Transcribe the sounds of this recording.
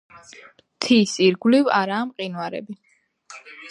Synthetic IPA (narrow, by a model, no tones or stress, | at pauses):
t̪ʰisiɾɡliva̰ɾaːmqʼinwaɾɛ̰bi